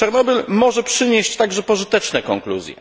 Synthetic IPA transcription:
ɛɾnɔbʲilmɔʐɛpʂɘɲeɕt͡ɕt̪aɡʐɛpɔʐɘt̪ɛt͡ʂnɛkɔŋklṵzʲjɛ̰

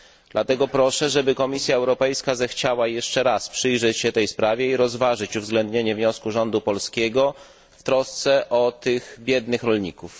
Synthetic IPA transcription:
d̪lat̪ɛɡɔpɾɔʂɛʐɛbɘkɔmʲisʲjaɛwɾɔpɛjskazɛxt͡ɕawajɛʂt͡ʂɛɾaspʂɘjʐɛt͡ɕɕɛt̪ɛjspɾavʲjɛiɾɔzvaʐɘt͡ɕuvzɡlɛnd̪ɲeɲɛvɲɔskuʐɔnd̪upɔlskʲɛɡɔ | ft̪ɾɔst̪sɛʔɔt̪ɘxbʲjɛd̪nɘxɾɔlɲikuf

